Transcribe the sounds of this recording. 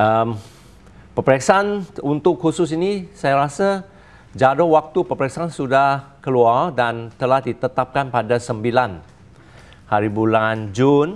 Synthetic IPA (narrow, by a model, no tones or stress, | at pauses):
ʔəm | pəpɾɛksaanunt̪ʊkʰːusʊsinisajaɾasa | d͡ʒadowak̚t̪upəpɾɛksaansudahkəluardant̪əlahdit̪ət̪ap̚kanpadasəmbilan | haɾibuland͡ʒun